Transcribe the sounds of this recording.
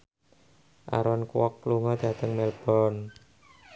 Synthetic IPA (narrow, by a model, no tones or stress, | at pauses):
ʔa̰ɾɔnkwɔkːluŋɔd̪̥a̤t̪əŋmɛlb̥ɔn